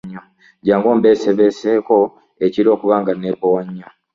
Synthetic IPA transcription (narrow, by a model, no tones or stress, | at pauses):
ɲːa | ɟaːŋɡo̞ːmbeːseβeseːko̞ | eciɾo̞ːkuβaːŋɡaneːbowaɲːa